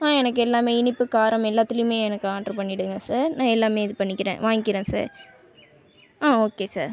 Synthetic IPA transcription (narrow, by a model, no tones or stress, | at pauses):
ãːɛnɐk̬ːɯɛlːaːmeːɪnɪpːɯkaːɾɐmɛlːaːt̪ːɪlɪjɯmeːɛnɐkːɯaːʈɾɐpɐɳːɪɽɯŋɡɐsaːɾnãːɛlːaːmeːɪðɯpɐɳːɪkːɪɾḛ̃ːʋaːŋɡɪkɪɾẽːsa̰ːɾ | aːoːkeːsa̰ːɾ